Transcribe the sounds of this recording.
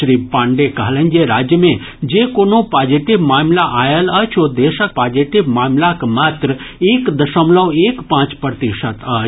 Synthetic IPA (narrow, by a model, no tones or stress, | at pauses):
ɾiːpãːɳɖekaɦlə̃nd͡ʒeɾaːd͡ʒjəmẽ | d͡ʒeːkoːnopaːd͡ʒiʈibmaːmlaʔaːjəlɐt͡ʃʰod̪eːʃək̚paːd͡ʒiʈɪbmaːmlakmaːt̪ɾəeːkd̪ɐʃəmləʋeːkpãːt͡ʃpɾɾət̪iʃət̪ə